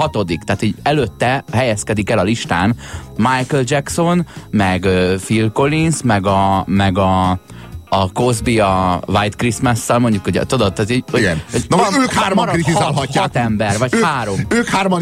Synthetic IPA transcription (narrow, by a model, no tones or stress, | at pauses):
ɒt̪o̞d̪ikt̪aːt̪hoɟɛløt̪ːɛɦɛjɛskɛd̪ikɛlɒliʃt̪aːnmajkøld͡ʒɛkso̞nmɛɡøːfilko̞linsmɛɡɒmɛɡɒː | ko̞zbiɒvajt̪krismɛsːɛlmo̞ɲɟukoɟɛ̰t̪od̪ot̪ːat̪eoiɡɛnonvɒnøːkhaːɾmɾɾit̪izalɦɒcːat̪ɛmbɛrvɒchaːɾo̞møːkhaːɾmɒ